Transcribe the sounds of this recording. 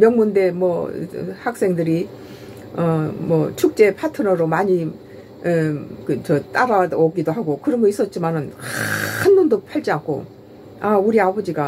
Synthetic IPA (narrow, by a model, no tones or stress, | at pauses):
mjʌŋmunde̞mwʌ̰hak̚s͈e̞ŋdɯɾi | ʌmʌt͡ɕʰuk̚t͡ɕ͈e̞pʰatʰɯnʌɾomaɲi | kɯt͡ɕʌt͈aɾaoɡidoɦaɡokɯɾʌmʌis͈ʌt̚t͡ɕ͈imanɯnhanbundopʰaɭt͡ɕ͈iankʰo̰ | auɾiabʌd͡ʑiɡa